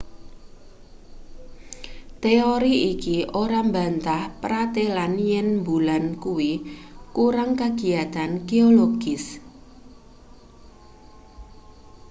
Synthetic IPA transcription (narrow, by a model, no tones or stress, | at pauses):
t̪eoɾiikiʔoɾamba̤nt̪ahpɾat̪elanjɛnmbulankuwikuɾaŋkaɡ̥i̤at̪anɡ̥eoloɡ̥ɪs